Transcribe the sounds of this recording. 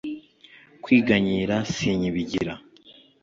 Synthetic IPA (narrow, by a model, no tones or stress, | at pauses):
kwiːɡaɲiɾasiɲiβiɟiɾa